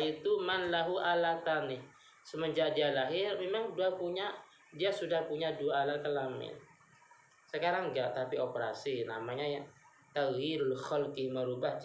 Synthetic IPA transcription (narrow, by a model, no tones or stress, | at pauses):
it̪umanlaɦuʔalat̪anɪh | səməd͡ʒadialaɦɪrmemaŋduapuɲa | diasudahpuɲaduaːlakəlamɪ̰n | səkaɾaŋɡaʔt̪apiopəɾa̰sinamaɲaja | t̪aɣjiɾalxɔlkɪməɾubah